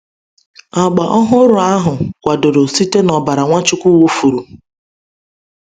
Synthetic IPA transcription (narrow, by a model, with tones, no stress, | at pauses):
a˨ɡ͡ba˨ʔɔ˦ɦʊ˦ɾʊ˨a˦ɦʊ˨kʷa˨do˨ɾo˨si˦te˦nɔ˨ba˨ɾa˨ŋʷa˦t͡ʃʊ˦kʷu˦wo˦fu˨ɾu˨